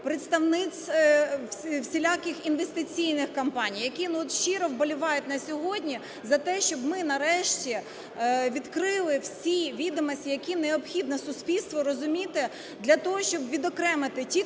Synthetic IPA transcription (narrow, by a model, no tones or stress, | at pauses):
pɾɪt̪st̪ɐʋnɪt͡sʲ | sʲɪlʲakɪxinʋest̪ɪt͡sʲijnɪxkɐmpɑnʲijɐkʲinɔt̪ʃt͡ʃɪɾɔwbɔlʲʊʋɑjʊtʲnɐsʲɔɦɔdʲnʲi | zɐt̪ɛʃt͡ʃɔbmɪnɐɾɛʃtʲi | ʋʲid̪kɾɪlˠɪwsʲiʋʲid̪ɔmɔsʲtʲijɐkʲineɔpxʲid̪nɔsʊspʲilʲst̪ʋɔɾɔzʊmʲit̪ɪ | d̪lʲɐt̪ɔɦɔʃt͡ʃɔbʋʲid̪ɔkɾɛmɪt̪ɪtʲi